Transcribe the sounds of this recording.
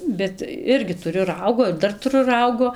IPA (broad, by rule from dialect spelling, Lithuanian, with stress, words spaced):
ˈbʲɛt ˈɪrʲɡʲɪ tʊˈrʲʊ ˈrɐʊɡoː ɪr ˈdɐr tʊˈrʊ ˈrɐʊɡoː